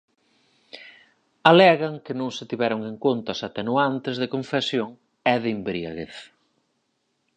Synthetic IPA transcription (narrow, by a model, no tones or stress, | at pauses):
alɛɣɐŋkɪnõŋsɪt̪iβɛɾʊŋeŋkont̪ɐsat̪enuant̪ezðekõɱfesjoŋ | ɛðimbɾiaɣeθ